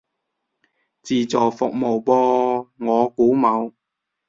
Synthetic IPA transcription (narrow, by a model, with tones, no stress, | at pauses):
t͡siː˨t͡sɔː˨˩fʊ˨k̚mo˨˩wpɔː˧ŋɔː˨˧kuː˨˥mɐ˨˧w